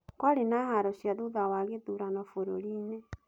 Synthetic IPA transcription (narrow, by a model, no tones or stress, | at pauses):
kwaɾenahaɾɔʃjaðuðawaɣeðuɾanɔfoɾo̰ɾiːnɛ